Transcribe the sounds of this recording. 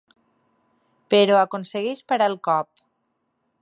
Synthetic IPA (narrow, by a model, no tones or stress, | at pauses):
peɾoakonseɣeʃpaɾalˠkɔp̚